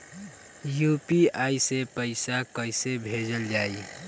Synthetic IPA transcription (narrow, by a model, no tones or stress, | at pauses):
jupiaːisepəɪsakəɪsebʱed͡ʒəld͡ʒaːi